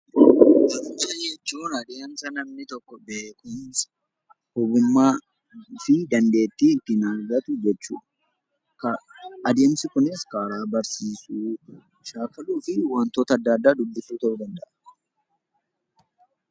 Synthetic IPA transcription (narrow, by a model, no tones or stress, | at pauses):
bɐfuːsɐnjɛt͡ʃːuːnɐd̪eɐnsɐnɐmnɪt̪ɔkːɔbeːkʊns | hɔbʊmːaː | fɪd̪ɐnd̪e̞ːt̪ːiːɪt̪ːɪnaːɾɡɐt̪ʊd͡ʒɛt͡ʃːṵːᶑɐ̥ | kɐʔɐd̪e̞ːmsɪkʊnɪskaːɾaːbɐɾsiːsuː | ʃaːkɐluːfɪwɐnt̪oːt̪ɐd̪ːɐːd̪ːaːd̪ʊbːɪsuːt̪ɐʔʊd̪ɐnd̪ɐʔɐ